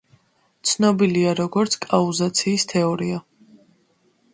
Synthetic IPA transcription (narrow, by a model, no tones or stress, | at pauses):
t̪sʰnɔbiliaɾɔɡɔɾt̪sʰkʼauzat̪sʰiːst̪ʰɛɔɾia